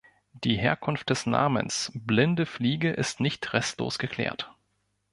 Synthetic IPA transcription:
d̥iːheːɐkʰʊnft̚d̥ɛsna̰ːmə̰nsblɪndəfliːɡəʔɪstnɪçtʁɛstlo̰ːsɡ̥əkʰl̥ɛ̰ːɐt

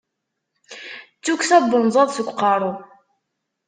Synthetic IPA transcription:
t͡sːuksæbənzˤɑðˤsəkʷːqːɑɾˤo

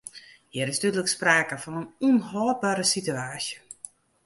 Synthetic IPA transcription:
hɪɾɪstytələkspraːkəfɔnənunɦɔːbaɾəsityaːsjə

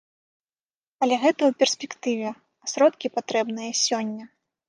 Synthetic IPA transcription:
ɐlʲɛɣɛt̪ɐwpʲɛrsʲpʲɛkt̪ɨvʲɛ | ɐsɾɔt̪kʲipat̪ɾɛbnɨjɐsʲɔnʲːɐ

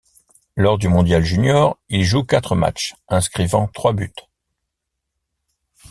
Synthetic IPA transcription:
lɔʁd̪ymɔ̃d̪jalʒynjɔʁilʒukat̪χəma̰t͡ʃɛ̃skχivɑ̰̃t̪χwabyt̪

